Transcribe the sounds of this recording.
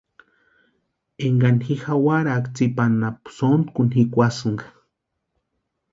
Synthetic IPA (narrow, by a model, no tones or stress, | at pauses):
eŋɡanxixawaɾakt͡sipanapsont̪kunhikʷasɨŋɡa